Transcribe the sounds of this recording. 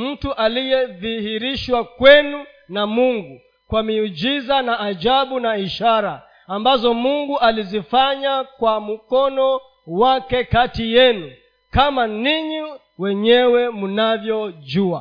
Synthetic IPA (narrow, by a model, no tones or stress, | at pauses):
m̩tuʔalijɛðihiɾiʃwakwɛnu | namuŋɡu | kwamiud͡ʒizanaʔːʄaɓunaiʃaɾaː | mbazɔmuŋɡuʔalizifaɲakwam̩kɔnɔ | wakɛkatijɛnu | kamaniɲi | wɛɲɛwɛmunavjɔʄua